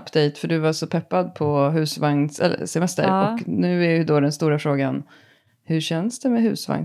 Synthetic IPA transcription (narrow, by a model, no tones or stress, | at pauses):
pd̪ejt̪fœɖɵvaʂɔpʰɛpːad̪̚pʰɔɦʉ̟ːsvaŋsɛ̰lːə̰sɛmɛst̪ə̰ɾɔknʉ̟ːæjɵd̪od̪ɛnst̪uːɾafɾoːɡan | hɵɕɛnsd̪ɛmɛɦʉ̟̰ːsva̰ŋ